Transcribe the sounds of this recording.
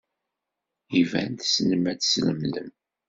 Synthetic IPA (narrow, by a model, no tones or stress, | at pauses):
ivæ̰nt̪snəmæt͡ssləmlə̰m